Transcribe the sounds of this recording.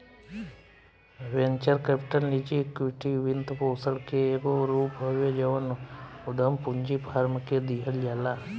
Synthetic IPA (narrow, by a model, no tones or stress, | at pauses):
ʋent͡ʃəɾkepʈənlit͡ʃikwɪʈiʋɪnt̪poːsəɽkeeːɡoɾuːpbʱəʋjəd͡ʒəʋənʊd̪ʱəmpʊɲd͡ʒipʰaːɾmked̪iːɦəld͡ʒaːlaː